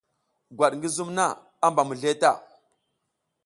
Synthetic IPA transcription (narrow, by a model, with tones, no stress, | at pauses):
ɡʷwa˨ɗŋɡi˦zu˦mna˦˨ | a˦mba˨mu˨ɮe˦ta˦˨